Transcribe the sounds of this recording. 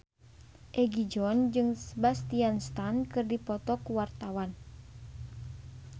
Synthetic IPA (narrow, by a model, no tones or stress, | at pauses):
ʔɛɡid͡ʒɔnd͡ʒɨŋsəbast̪ianst̪ankɨrdipɔt̪ɔkuwart̪awan